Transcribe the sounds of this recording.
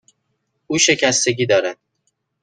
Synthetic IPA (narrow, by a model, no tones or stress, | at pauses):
uːʃe̞cʰæst̪e̞ɟiːd̪ɒːɾæd̪̥̚